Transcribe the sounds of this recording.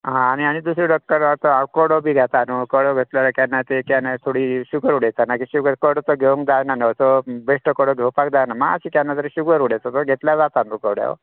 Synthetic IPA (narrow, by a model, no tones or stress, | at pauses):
ɦãːɽ̃iaɽ̃id̪us̬ɾiɖəkːəɾat̪əakɔɽobʱiːɡʱat̪anukɔɽoɡʱet̪ljaɾəkjanːat̪ekjanat̪ʰoɽiːɕukəɾuɽejt͡sanakiɕuɡəɾkəɽɔt̪ɔɡʱeuŋkd̪ajnanət͡sɔbeʂʈəkɔɽoɡʱewpak̚d̪ajnaməɡa̰siːkjanːat̪əɾeɕuɡəɾuɽet͡s̪at̪ɔɡʱet̪ljad͡zat̪anukəɽja̰